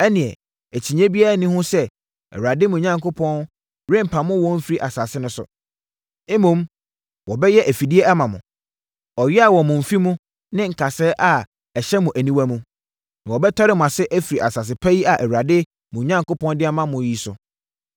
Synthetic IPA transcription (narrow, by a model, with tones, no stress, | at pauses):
ɛ˦nɪ̃˨ɛ̰˨ | æ˨t͡ɕʰi˨ɲẽ˦bi˦a˦˨nĩ˦hʊ̃˦sɛ˦ | ɛ̰˨wa˨dɪ˦mũ˨ɲã˦ŋko˦pʰɔ̃˦n | ɾẽ˦m̩˨pʰã˨mʊ̃˦wɔ̃˦m̩˦fi˦ɾi˦˨ʔa˨sa˨sɪ˦nʊ̃˦sʊ̰˨˦ | mũ˦m | wɔ˨bɛ˦jɛ˦ʔæ˨fi˨di˦ɛ˦ɛ˦mã˨mʊ̃˨ | ɔ˨ɥɛ˦a˨wɔ˨mʊ̃˨m̩˨fi˦mũ˦ | nɪ̃˦ŋ̩˨kʰa˨sɛː˦ʔa˨ | ɛ˨ɕɛ˦mʊ̃˨ʔæ˨nĩ˦wæ˦mũ˦ | nã˨wɔ˨bɛ˦tʰɔ˦ɾɪ˦m˨ã˨sɛ˦ʔæ˦fi˨ɾi˨ʔa˨sa˨s̬ɪ˨pʰæ˦ji˦a˨ʔɛ˨wu˨a˨dɪ˦ | mʊ̃˨ɲã˦ŋko˦pʰɔ̃˦n˦dɪ˦a˦mã˦mʊ̃˨ji˦sʊ̰˨